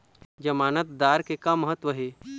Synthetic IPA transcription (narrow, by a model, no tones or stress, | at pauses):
d͡ʒɐmaːnət̪̚d̪aɾkekaməɦət̪ʋəɦe